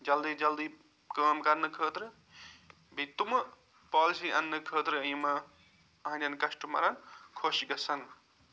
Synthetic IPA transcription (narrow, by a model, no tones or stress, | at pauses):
d͡ʒɐld̪id͡ʒɐld̪i | kəːmkɐnːɨkʰəːt̪ɾɨ | bit̪umɐ | paːlisiʔɐnːɨkʰəːt̪ɾɨɐjmɐ | ɐɐ̃nd͡ʒʲɐnkɐsʈumɐ̰ɾɐnkʰoʃiɡɐsɐn